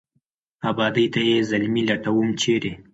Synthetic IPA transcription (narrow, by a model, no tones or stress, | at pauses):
abɑd̪əjt̪ajezalmilaʈawumt͡ʃʰeɾe